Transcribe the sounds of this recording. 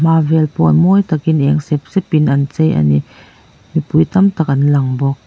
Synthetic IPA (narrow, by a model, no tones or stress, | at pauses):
maːvɛlpɔnmɔjt̪ɐkinʔɛŋsɛp̚sɛpinʔɐnt͡sejʔa̰ni | mipujt̪ɐmt̪ɐk̚ʔɐnlɐŋbɔk̚